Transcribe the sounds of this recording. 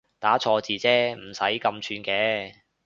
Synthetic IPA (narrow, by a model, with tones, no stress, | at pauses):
t̪aː˨˥t͡sʰɔː˧t͡siː˨˧t͡sɛː˥m̩˨˩sɐ˨˥jkɐ˧mt͡ʃʰyː˧nkɛː˨˥